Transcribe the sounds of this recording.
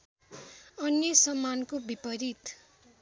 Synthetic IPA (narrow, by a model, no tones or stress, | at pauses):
ʌnjʌsʌmːankobipʌɾit̪